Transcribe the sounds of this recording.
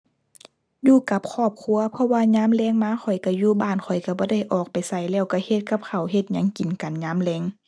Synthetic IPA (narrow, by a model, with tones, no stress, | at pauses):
juː˧˩ka˧˥p̚kʰɔː˧˩p̚kʰu˧˥ɐpʰɔ˧waː˧ɲaː˧˥˨mlɛː˧˥˨ŋmaː˧˥˨xʰɔ˨˩jka˧˩juː˧˩baː˧˩nkʰɔ˨˩jka˧˩bɔː˧˦da˧˩jʔɔː˨˩k̚pa˨jsa˧˩jlɛː˧˩wka˧˩he˧t̪̚ka˧˦p̚kʰa˨˩wɦe˧t̪̚ɲa˧˥˨ŋki˨nka˨nɲaː˧˥˨mlɛː˧˥˨ŋ